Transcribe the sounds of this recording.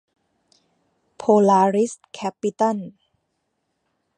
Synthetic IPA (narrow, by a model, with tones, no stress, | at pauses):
pʰoː˧laː˧ɾi˦˥skʰɛ˦˥pːi˧˦t̪a˥˩n